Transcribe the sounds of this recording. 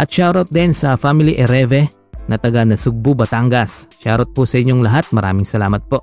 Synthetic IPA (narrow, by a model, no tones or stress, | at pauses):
ʔɐt̪̚ʃaːɾot̪̚d̪ɛnsɐfamiliʔɛɾɛvɛ | nɐt̪ɐɡanɐsʊɡ̚bubɐt̪aŋɡɐsʃaːɾot̪̚pusɐʔɪɲːoŋlɐɦat̪̚mɐɾʔa̰ːmɪŋsɐlaːmɐt̪̚po̞ʔ